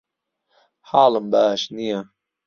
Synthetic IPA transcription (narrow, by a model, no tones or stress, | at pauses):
ħaːlɨmbaːʃnija